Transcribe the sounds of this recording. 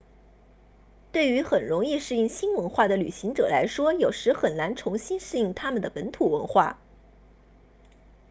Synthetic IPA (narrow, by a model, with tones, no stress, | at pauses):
t̪we˥˩ɪy˧˥xə˨˩nɻʊ˧˥ŋi˥˧ʂɻ̩˥˧i˥˩ŋɕi˥nwə˧˥nxwa˥˩d̪ə˩ly̰˨˩ɕi˧˥ŋʈ͡ʂɤ̰˨˩la˧˥ɪʂwɔ˥jo˨˩ʊʂɻ̩˧˥xə˨˩nna˧˥nʈ͡ʂʰʊ˧˥ŋɕi˥nʂɻ̩˥˧i˥˩ŋt̪ʰa˥mə˨˩nd̪ə˩pə˧˥nt̪ʰu˨˩wə̰˧˥nxwa̰˥˩